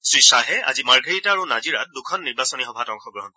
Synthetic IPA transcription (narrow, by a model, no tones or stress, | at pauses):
sɹisaɦɛa̰zimaɹɡʱeɹitaaɹunaziɹa̰t̚dukʰɔnːiɹbasɔniɦɔbʱatɔŋxɔɡɹɔɦɔnɔ